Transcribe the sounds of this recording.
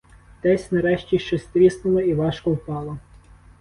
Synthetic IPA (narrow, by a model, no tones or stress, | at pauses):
t̪ɛsʲnɐɾɛʃt͡ʃʲiʃt͡ʃɔsʲt̪ɾʲisnʊlˠɔiʋɑʃkɔwpɑlˠɔ